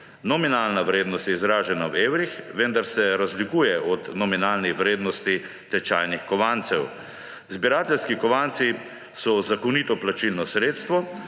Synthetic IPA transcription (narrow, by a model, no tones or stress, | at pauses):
nɔminaːlnaʋɾeːd̪nɔst̪jɛizɾaːʒɛnaweːwɾixʋənd̪aɾsɛɾazlikuːjɛʔɔt̪nɔminalniʋɾeːd̪nɔst̪i | t̪ɛt͡ʃaːjnixkɔʋant̪sɛw | zbiɾaːt̪ɛlskikɔʋant̪si | sɔzakɔnit̪ɔplat͡ʃilnɔsɾeːt̪st̪ʋɔ